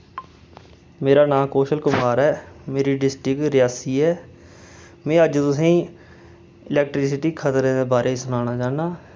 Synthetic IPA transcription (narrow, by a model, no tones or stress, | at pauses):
meːɾaːnãːkoːʃəlkʊmaːɾɛːmeːɾiːɖɪsʈɪkɾɪjaːsiːɛː | mẽːəd͡ʒt̪ʊs̬ẽː | ɪlɛːk̚ʈɾɪs̬ɪʈiːkʰət̪ɾẽːd̪eːbaːɾʔeːsʊnaːnaːd͡ʒaːnaː